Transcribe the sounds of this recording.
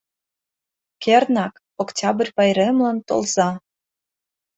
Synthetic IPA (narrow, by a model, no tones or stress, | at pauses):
kʲernɑk | oktʲɑb̆rʲpɑjɾemlɑnt̪o̰lzɑ